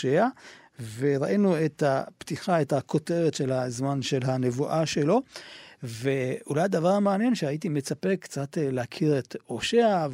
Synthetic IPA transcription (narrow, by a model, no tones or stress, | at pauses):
ea | veʁaʔinuetapt̪iχaethakʰo̞te̞ʁetʃe̞lhazmanʃe̞lɦane̞vuʔaʃelo̞ | veulajad̪avaʁmeanje̞nʃehait̬imet͡sapekt͡satleakʰiʁet̪oʃea